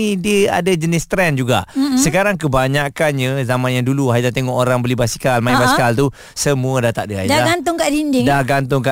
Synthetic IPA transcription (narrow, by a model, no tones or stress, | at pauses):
idiəa̰dad͡ʒənɪst̪ɾɛnd͡ʒuɡa̰səkaɾaŋkəbaɲakanɲə̃zamãnjaŋduluɦaizat̪eŋɔʔoɾaŋbəlibasi̥kalmãĩbasikalt̪u | səmũədat̪a̰ʔdəɦajaɡant̪ʊŋkaʔdindɪdaɡant̪ʊŋka